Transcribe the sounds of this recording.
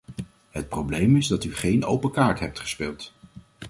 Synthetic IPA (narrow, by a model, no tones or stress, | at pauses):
ɦət̚prowblejmɪzdɑtyχejnowpəkaːɹtɦɛp̚tχə̥spɪːlˠt